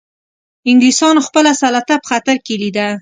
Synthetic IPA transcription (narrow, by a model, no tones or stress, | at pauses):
ɪŋɡlisɑnoxpəlasalat̪apə̥xat̪aɾkelid̪a